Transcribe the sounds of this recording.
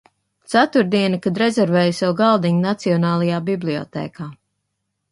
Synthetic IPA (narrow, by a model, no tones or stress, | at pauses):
t̪sat̪uɾd̪iɛnikad̪ɾezʲɛɾvɛːjusawɡalˠd̪iɲnat̪siɔnaːlˠajaːbiblˠiɔ̰t̪ɛ̰ːkaː